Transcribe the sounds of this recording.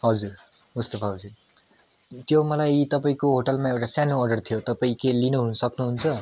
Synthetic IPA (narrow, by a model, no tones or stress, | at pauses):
ɦʌd͡zurmust̪opʰaɦʌd͡zuir | t̪jomʌlajt̪ʌpaĩkoɦoʈʌlmaewʈasjanoʌrɖʌrt̪ʰijot̪ʌpaĩkelinuɦunʌsʌknuɦunt͡sʰʌ